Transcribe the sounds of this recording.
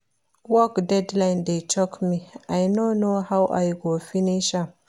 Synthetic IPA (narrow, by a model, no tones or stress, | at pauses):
wɔkdɛdlajndet͡ʃʰɔkmiʔajnonohawʔa̰jɡofiniʃa